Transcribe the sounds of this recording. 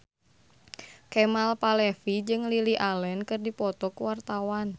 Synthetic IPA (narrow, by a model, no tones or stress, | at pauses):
kɛmalpalɛfid͡ʒɨŋliliʔalɛnkɨrdipɔt̪ɔkuwart̪awan